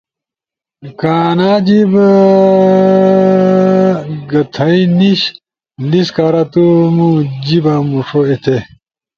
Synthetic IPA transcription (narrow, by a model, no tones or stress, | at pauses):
kaːnaːd͡ʑib | ɡɐt̪ʰɐiniɕ | liskaːɾat̪umud͡ʑibamuʂoet̪ʰe